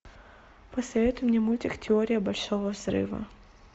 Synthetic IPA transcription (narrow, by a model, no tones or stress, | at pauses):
pɐsɐvʲet̪ʊjmnʲɪmulʲtʲɪktʲɪoɾʲɪjəbɐlʲʂovəvzɾɨ̰vɐ̰